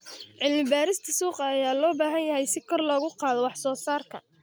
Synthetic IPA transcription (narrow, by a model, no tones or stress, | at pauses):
ʕɪlmɪbaːɾɪst̪ʰɐsuːqɑːjaːlɔːbaːɦɐnjɐɦɛjsɪkʰɔrlɔɣʊqɑːðɔwɑħsɔːsaːrkʰɐ̰